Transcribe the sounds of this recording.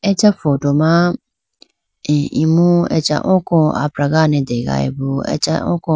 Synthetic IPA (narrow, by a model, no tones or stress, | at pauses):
ɛt͡ʃɛfɔdomã | imũɛ̰t͡ʃa̰ʔɔ̃kɔ̃a̰pɾaɡanɛ̃dɛɡa̰ɛ̰boɛ̰t͡ʃa̰ɔ̰̃kɔ̃